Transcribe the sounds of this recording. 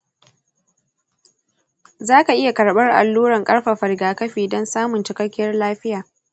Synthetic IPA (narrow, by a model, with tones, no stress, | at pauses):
zaː˦ka˨ʔɪ˦ja˨kɐ˨ɽɓɐ˦rʔa̰˨lːuː˦ɾɐ˨ŋkʼɐ˦ɽɸa˨ɸɐ˨ɽɡaː˨kɐ˦ɸiː˨dɔ˦nsaː˦mʊ˨nt͡ʃɪ˨kɐ˦kʲːɪ˦jɐ˦rlaː˦ɸɪ˦jaː˨